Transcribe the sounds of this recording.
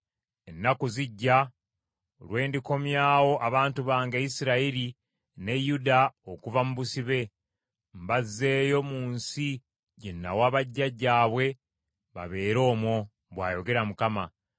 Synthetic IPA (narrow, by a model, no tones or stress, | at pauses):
e̞nːakuziɟːa | olwe̞ːndiko̞mjaːwo̞ʔaβaːntuβaːŋɡejisiɾaiɾi | nejudaokuvamuβusiβe̞ | mbazːe̞ːjo̞muːnsi | ɟenːa̰waːβaɟːaɟːaːβwe̞ | βa̰βe̞ːɾo̞ːmwo̞ | βwaːjo̞ɡe̞ɾamukama